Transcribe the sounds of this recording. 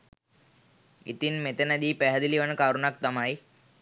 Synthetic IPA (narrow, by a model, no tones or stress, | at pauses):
ḭt̪inmet̪ənad̪iːpæɦəd̪iliʋanəkaɾunak̚t̪amaj